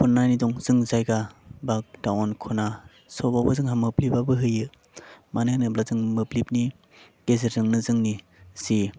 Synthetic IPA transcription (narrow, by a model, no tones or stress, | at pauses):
pʰunːajnidɔŋz̥ɯŋzajɡabak̚tawɔnkʰɔna | sɔbabɯzɯŋɦamɯplibabɯɦɯjɯ | manɯnɯplazɯŋmɯplip̚ni | ɡ̥ezeɾzɯŋnɯzɯŋni | si